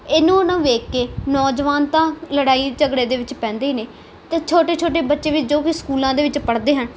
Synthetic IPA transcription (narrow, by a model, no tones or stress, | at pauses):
eːnũːnãːʋeːkːeːnɔːd͡ʒʋaːnt̪ãːləɽaːiːt͡ʃəɡɽeːd̪eːʋɪt͡ʃpɛ̃ːnd̪eːneː | t̪ẽːt͡ʃʰoːʈeːt͡ʃʰoːʈ̬eːbətːʃeːʋɪt͡ʃd͡ʒoːkiskuːlãːd̪eːʋɪt͡ʃpəɽd̪eːɦən